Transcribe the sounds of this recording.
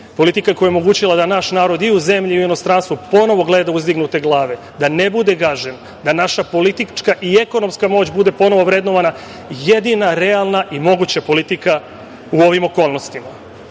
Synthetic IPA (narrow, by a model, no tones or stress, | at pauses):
po̞lit̪ikakojeomo̞ɡuːt͡ɕilˠad̪anaʃnaːɾo̞d̪iuze̞mʎiuino̞st̪ɾanst̪ʋupo̞no̞ʋo̞ɡle̞d̪auzd̪iɡnut̪e̞ɡlˠaːʋe̞ | d̪anebud̪e̞ɡaʒen | d̪anaʃapo̞lit̪it͡ʃkaʔieko̞no̞mskamo̞ːt͡ɕbud̪e̞po̞no̞ʋo̞ʋɾed̪no̞ʋana | je̞d̪inaɾealˠnaʔimo̞ɡut͡ɕapo̞lit̪ika | uo̞ʋimo̞ko̞ːlˠno̞st̪ima